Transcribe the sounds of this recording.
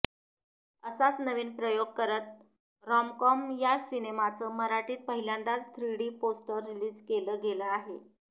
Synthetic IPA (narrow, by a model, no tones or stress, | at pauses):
əsat͡snəʋiːnpɾəjoɡ̚kəɾət̪̚ | ɾɔmkɔmjasinemat͡səməɾaʈiːt̪̚pəɦiljãnd̪at͡st̪ʰɾiɽiːposʈəɾːiliːd͡zkeləːɡeləaɦe